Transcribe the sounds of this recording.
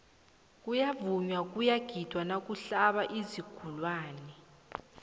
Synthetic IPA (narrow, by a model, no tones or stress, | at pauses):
k̬ʼujavuɲwak̬ʼujaɡ̥ʱid̥ʱwanak̬ʼuɬaɓaʔiziɡ̥ʱulwaːnɛ